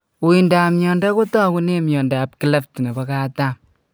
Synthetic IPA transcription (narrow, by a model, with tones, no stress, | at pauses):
u˨i˨nda˨mjɔ˨nda˦ko˦tɔ˦ku˦ne˦mjɔ˨ndaː˨p̚ki˦le˦ftne˨bɔ˦ka˦ta˦m